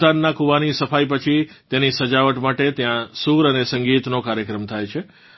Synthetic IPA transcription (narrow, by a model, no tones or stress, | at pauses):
anːakuʋanisəfajpət͡ʃʰit̪jenisəd͡ʒaʋəʈmaʈet̪jãsuɾənesəŋɡit̪nokaɾjəkɾəmt̪ʰajt͡ʃʰe